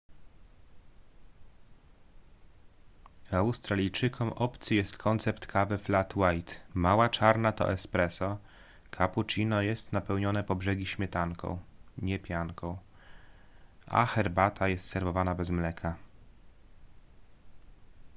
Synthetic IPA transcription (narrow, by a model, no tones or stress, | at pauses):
awst̪ɾalʲijt͡ʂɘkʰɔmʔɔpt̪sɘjɛst̪kʰɔnt̪sɛpt̪kʰavɘflat̪wajt̪mawat͡ʂaɾnat̪ɔ̰ʔɛspɾɛsɔ | kʰaput͡ʂinɔjɛst̪napɛwɲɔnɛpɔbʐɛɡʲiɕmʲjɛt̪aŋkʰɔ̰̃w̃ɲɛpʲjaŋkʰɔ̃w̃ | a̰xɛɾbat̪ʰajɛst̪sɛɾvɔvanabɛzmlɛkʰa